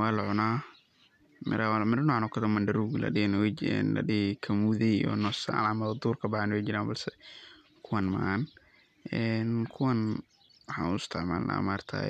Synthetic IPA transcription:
waːlʊʕʊnaː | mɪ̰ɾawmɪrnɔːʕnɔkʰɐðɐmɐnɖɐɾuɣlɐ̰ɖɪnwɛɛ̰nlɐ̰ɖɪkʰɐmuðɛɔ̰nɔsa̰namɐðd̪uːrkʰɐbaʕanwɛd͡ʒɪɾaːnbɐlsɛ | kʰʊwanma̰n | ʔɛnkʰʊwɐn | wħa̰ːnʊɪst̪ʰɪʕma̰ːlnʔa̰ːmaːrt̪ʰa̰ː

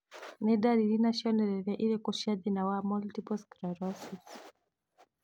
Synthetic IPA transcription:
nɛdaɾilinaʃɔnɛɾɛɾaʔiɾɛkɔʃaðinawamɔltipɔskɾaɾɔsis

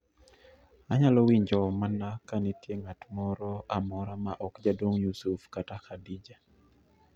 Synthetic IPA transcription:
aɲalɔwiɲd͡ʒɔmanakanitjeŋatmɔɾɔʔamɔɾamaʔɔkd͡ʒadwoŋjusufkatakʰadid͡ʒa

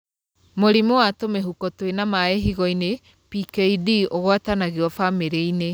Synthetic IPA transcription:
moɾimowatomeɦukɔtwenamaeɦiɣɔine | pikeidioɣwatanaɣeɔfameɾeine

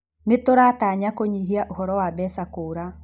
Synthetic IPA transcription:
netoɾataɲakoɲiɦiaʔoɦɔɾɔwabɛsakoːɾa

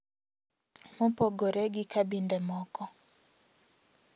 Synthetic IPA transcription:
mɔpɔɡoɾɛɡɪkabindɛmɔkɔ

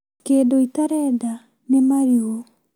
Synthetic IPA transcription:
keːdoitaɾɛda | nemaɾiɣo

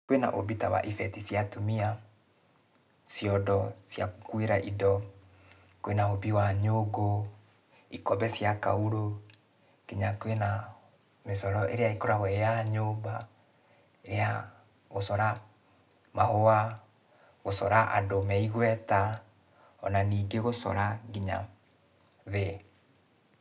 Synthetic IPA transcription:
kwena̰ʔo̰bitawa̰ʔifɛtisjatumia | sjɔdɔsja̰ku̥kweɾaʔidɔ | kowenaobiwaɲoɡo | ikɔbɛsjaka̰uɾo | keɲakwena | mesɔɾɔʔeɾeaikoɾaɣwɛejaɲomba | eɾea | ɣosɔɾa | mahowa | ɣosɔɾaʔa̰domɛiɣwɛta | ɔ̰naniːɡeɣosɔ̰ɾaɡiɲa̰ | ðe

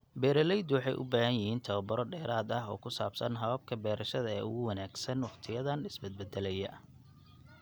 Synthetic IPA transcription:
bɛːɾɐlɛjd̪wɑħɑjʔʊ̰baːɦɐnjɪhiːnt̪ʰɐβɐbɐɾɔɖɛːɾaːd̪ɐɦɔ̰ːkʰʊsaːbsɐ̰nɦɐβɐb̚kʰɐbɛːɾɐʃɐðɐɛ̰ːʊ̰ɣʊwɑnaːɡsɐnwɑχt̪ʰɪjɐðɐnɪsbɛd̪̚bɛd̪ɛlɛjɐ

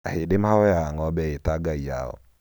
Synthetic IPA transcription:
a̰hedemhaɔjaːŋɔbɛetaɡaia̰ɔ̰

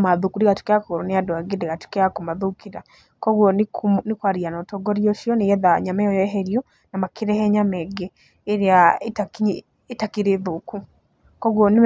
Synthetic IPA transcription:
maðukuɾiɣatu̥keakooɾɔneadwaɡedeɣatu̥keakomaðukiɾa | kɔɣwɔnknikwaɾianɔtɔɡɔɾiɔʃiɔnejɛðaɲamajɔjɔɛɦɛɾiɔ | namakiɾɛhɛɲamɛɡɛ | eɾeaetak | etakiɾeðoku | kɔɣwɔn

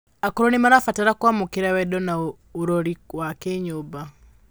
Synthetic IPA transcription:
akɔɾɔnimaɾafataɾakwamukeɾawɛdɔna | oɾoɾiwakɛɲoba

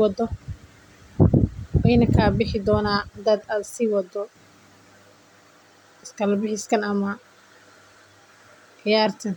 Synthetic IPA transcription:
wɑd̪ɔ | wɛjnɐkʰaːbɪħɪd̪ɔːnaːd̪ɐd̪aːd̪sɪwɑd̪ɔ | ɪskʰɐlɐbɪħɪskʰɐnɐmɐ | qɪjaːrt̪ʰɐn

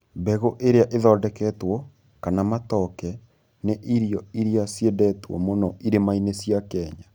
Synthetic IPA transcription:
bɛɣoʔeɾeaʔeðɔːdɛkɛtwɔ | kanamatɔkɛ | neʔiɾijɔiɾiasjedɛtwɔ̰monɔiɾemainesjakɛːɲa

